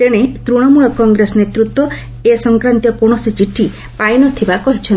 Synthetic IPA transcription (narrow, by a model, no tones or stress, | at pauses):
t̪eɽ̃et̪ɾuɽ̃ɔmuɭɔkɔŋɡɾesɔnet̪ɾut̪wɔ | esɔŋkɾant̪jɔkoɽ̃ɔsit͡ʃiʈʰi | pajnɔt̪ʰibakɔɦit͡ʃʰɔ